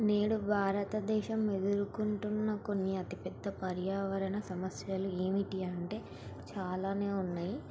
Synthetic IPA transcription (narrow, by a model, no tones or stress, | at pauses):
neːɽubʱaːɾɐt̪ɐd̪ɛːʃɐmːe̞d̪uɾukuɳʈunːɐko̞nːiɐt̪ipɛd̪ːɐpɐɾjaːʋɐɾɐnɐsɐmɐsjɐlue̞ːmiʈiɐɳʈe̞ː | t͡ʃaːlaːne̞ːunːaːji